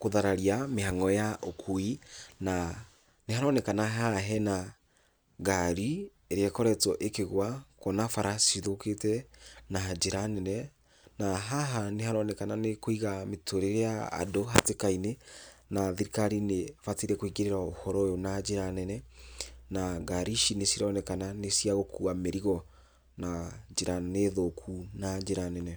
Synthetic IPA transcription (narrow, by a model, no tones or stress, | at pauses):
koðaɾaɾiameɦaŋɔjaʔokʰuina | neɦaɾɔnɛkanaɦaɦɛna | ɣaɾi | eɾɛkɔɾɛtɔʔekeɣwakɔnafaɾasiðoketɛnad͡ʒeɾanɛnɛ | naɦaɦanehaɾɔnɛkananekoiɣametʰoɾeɾeaa̰doɦatekainenaðiɾikaɾinefateɾɛkoiɣeɾeɾaohɔɾɔjonad͡ʒeɾanɛnɛ | naɡaɾiʃinesiɾɔnɛkananesiaɣokuameɾiɣɔ | nad͡ʒeɾaneðokʰunad͡ʒeɾanɛnɛ